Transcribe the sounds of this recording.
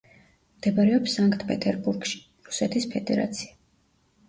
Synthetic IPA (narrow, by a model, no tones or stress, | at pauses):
md̪̥ɛbaɾɛɔpsaŋkt̪ʰpʰɛt̪ʰɛɾbuɾɡʃi̥ | ɾusɛt̪ʰispʰɛd̪ɛɾa̰t̪sʰi̥a